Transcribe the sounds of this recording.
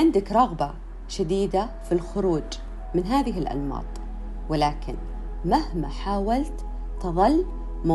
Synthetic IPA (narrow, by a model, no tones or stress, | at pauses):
ʕɪnd̪akɾˤɑɣba | ʃad̪iːd̪a | filxʊɾuːd͡ʒ | mɪnɦaːðɪɦɪlʔa̰lmɑ̰ːt̪ˤ | wɪlaːkɪn | mahma̰ħaːwalt̪ | t̪ɨðˤɑlː | ma